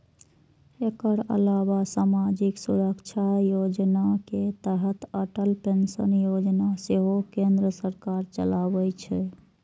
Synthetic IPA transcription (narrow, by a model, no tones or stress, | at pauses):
ekəɾə̰labasamad͡ʒiksuɾəkt͡ʃʰajod͡ʒnaket̪əɦət̪əʈəlpensənjod͡ʒnaseɦokẽnd̪ɾəsəɾkaɾt͡ʃə̰labɛt͡ʃʰɛ